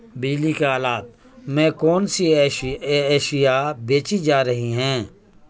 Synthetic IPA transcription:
biːlikeɦaːlaːt̪̚ | mɛ̃ːkɔːnsiɛːɛːʃɪjabeːt͡ʃid͡ʒaːɾəɦiɦɛ̃ː

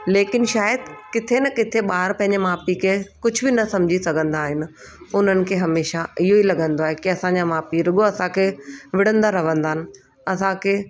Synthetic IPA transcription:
leːkɪnʃaːjəd̪̚kɪt̪ʰenɐkɪt̪ʰeɓaːɾpɐ̃ɦɪ̃ɲd͡ʑemaːpikʰekʊd͡ʑʱʊbɪnɐsɐmd͡ʑʱisɐɡʱə̃nd̪aːɦɪnɪ̆ | ʊn̤ənɪ̆kʰeːɦɐmeːʃaɪɦoilɐɠə̃nd̪oaːɦekiɐsãːɲd͡ʑamaːpiɾʊɠoɐsãkʰeːʋɪɽ̤ə̃nd̪aɾɐʋə̃nd̪aːɪnɪ̆ | ɐsãkʰeː

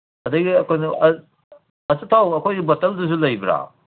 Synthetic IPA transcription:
ɐdɐɡiɐkʰojnɐɐ | ɐsɐtʰawɐkʰojbɐtɐlduzulɐjbɾa̰

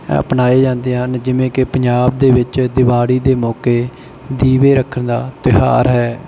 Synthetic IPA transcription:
ə̰pnaːeːd͡ʒãːnd̪eːɦənd͡ʒɪʋẽːkɪpəɲd͡ʒaːb̚d̪eːʋɪt͡ʃd̪ɪʋaːɽiːd̪eːmɔːkeː | d̪iːʋeːɾəkʰːənd̪aːt̪ɪɦa̰ːɾɦɛː

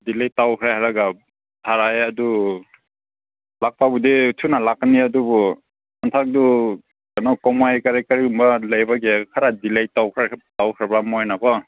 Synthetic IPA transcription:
dilajtawkʰɾajhaɾaɡa | tʰaɾajadu | lak̚pabuditʰunalak̚niadubɔ | antʰak̚du | ɡanɔwkɔmajkaɾajkaɾiumbalajbaɡekʰaɾadilajtawkʰɾatawkʰɾabamɔjnabɔ

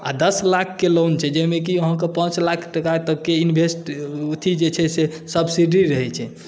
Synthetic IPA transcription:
a̰d̪əslakʰːelont͡ʃʰɛd͡ʒɛmek̬iəɦãkepãt͡ʃlakʰʈəkat̪əkːeinbʱesʈut̪ʰid͡ʒet͡ʃʰɛse | səbsiɖiɾəɦɛt͡ʃʰɛ

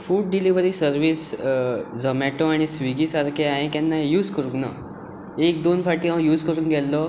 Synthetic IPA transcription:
fuːɖɖiliʋəɾiːsəɾʋiːs | d͡zəmɛʈoaɽ̃isʋiɡiːsaɾkʰeaɦekɛnːajuːd͡zkəɾũŋkna̰ | ek̚d̪onfaʈiːɦãjuːd͡zkəɾũːŋɡɛlːɔ

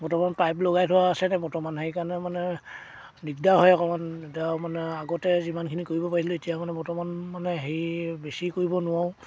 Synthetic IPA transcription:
bɔtɔmanpajplɔɡajtʰʊwaːsɛnɛbɔɹtɔmanɦejkanɛmanɛ | nikdaɦɔjakɔmantamanɛaɡɔtɛzimankʰinikoɹibɔpaɹiiloetijamanɛbɔɹtɔmanmanɛɦejbesikoɹibɔnʊwaʊ̃

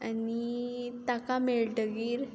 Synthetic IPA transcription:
anit̪akameɭɖəɡiːɾ

